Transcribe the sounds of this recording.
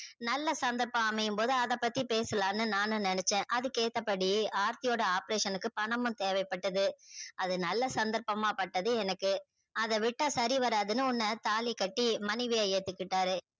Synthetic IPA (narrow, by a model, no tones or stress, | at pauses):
nɐlːɐsɐnd̪ɐɾpɐ̃aːmɐjɯmpoːðɯɐðɐpːɐt̪ːipeːsɯlaːnːɯnaːnɯ̃nɪnɛt͡ʃːẽːʔɐðɯkeːt̪ːɐpːɐɽiaːɾt̪ɪjoːɽɐaːpɐɾeːʂɐnɯkːɯpɐɳɐmɯ̃t̪eːʋɐɪpːɐʈːɐðɯʔɐðɯnɐlːɐsɐnd̪ɐɾpɐmaːpɐʈːɐðɯɛnɐkːɯ | ɐðɐʋɪʈːasɐɾiʋɐɾaːðɯnɯʊnːɐt̪aːlikɐʈːimɐnɪʋɪjajeːt̪ːɯkːɪʈːaːɾɯ